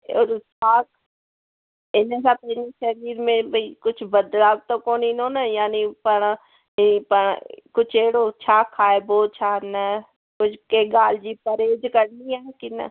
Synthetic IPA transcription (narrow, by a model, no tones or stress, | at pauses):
oːɾsʰaːk | ɪnẽsap̪ɪniʃɐɾiːɾmẽbʱɐikʊt͡ʃʰbɐd̪laːbt̪okoːninõːnajaːnipəɽ̃a | ɪnipəɽkʊt͡ʃʰeːɽot͡ʃʰaːkʰːaːeboːt̪̚t͡ʃʰaːnɛ | kʊt͡ʃʰkeɡaːld͡ʒipəɾeːd͡ʒkəɾniaːkina̰